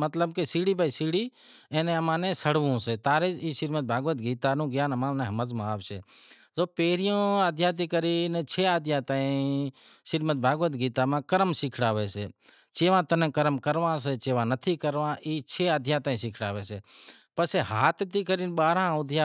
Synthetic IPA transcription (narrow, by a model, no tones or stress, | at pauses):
mət̪ləbkesiːɽiːbaːiːsiːɽiː | ẽːnẽːəmãːnẽːsəɽʋũːseːt̪aːɾeːd͡ʒiːsɪɾmət̪̚bʱaːɡʋət̪ɡiːt̪aːnũːɡjaːnəmãːnẽːɦəməzmãaːʋsḛː | zoːpeːɾɪjõːaːd̪ʱjaːt̪̬iːkəɾiːnet͡ʃʰeːaːd̪ʱjãːt̪aːĩː | ʃɪɾmət̪̚bʱaːɡʋət̪ɡiːt̪aːmãːkəɾmsɪkʰɽaːʋeːsḛː | t͡ʃeːʋãːt̪ənẽːkəɾəmkəɾʋãːseːt͡ʃeːʋãːnət̪ʰiːkəɾʋãːʔiːt͡ʃʰeːaːd̪ʱjãːt̪aːĩːsɪkʰɽa̰ːʋeːseː | pəseːɦaːt̪t̪iːkəɾiːnɓaːɾãːʊd̪ʱjaː